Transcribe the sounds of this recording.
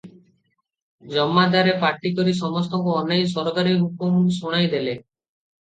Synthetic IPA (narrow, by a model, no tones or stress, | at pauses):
d͡ʒɔmːad̪aɾepaʈikɔɾis̬ɔmɔs̬t̪ʰɔŋkuɔnejs̬ɔɾɔkaɾiɦukumsuɽ̃ajd̪ele